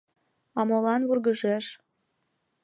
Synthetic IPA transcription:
ɑmolɑnβurɣəʒeʃ

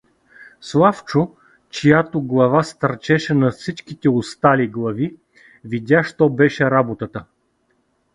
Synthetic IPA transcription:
slˠaft͡ʃo | t͡ʃijat̪oɡlˠɐvast̪ɐɾt͡ʃɛʃɛnɐfsit͡ʃkit̪ɛost̪aliɡlˠɐvi | vid̪ʲaʃt̪ɔbɛʃɛɾabot̪ət̪ə

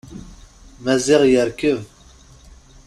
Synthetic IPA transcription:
mæziʁjəɾkəv

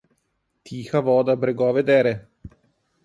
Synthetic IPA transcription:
t̪ʰiːxavɔːd̪abɾeɡɔaved̪eːɾe

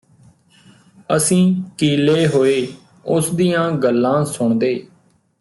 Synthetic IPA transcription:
əsĩːkiːleːɦoːeː | ʊsd̪iːjãːɡəlːãːsʊɳd̪eː

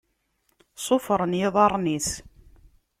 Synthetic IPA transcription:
sˤofɾˤənjɪðˤɑɾˤniθ

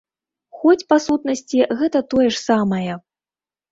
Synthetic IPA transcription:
xɔt͡sʲpasut̪nɐsʲt͡sʲiɣɛt̪ɐt̪ɔjɛʂsamɐjɛ

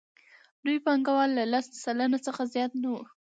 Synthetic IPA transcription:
d̪ujpɑŋɡawɑlːalasd̪əsalanat͡səxazjɑt̪nawu

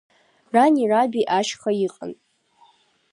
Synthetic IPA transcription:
ranirabiʔaʃχajiqʼə̰nʼ

